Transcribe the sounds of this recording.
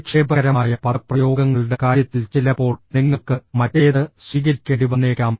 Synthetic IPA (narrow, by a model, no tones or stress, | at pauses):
kʂeːbɐɐɾɐmaːjɐpɐprɐjo̞ːɡɐŋːɐɭɨɽe̞kaːɾjɐt̪ːilt͡ɕelːɐpːo̞ːɭniŋːɐɭkɨmɐtːejɐðɨswiːɣɐɾikʲːɐɽiʋɐnːeːkːaːm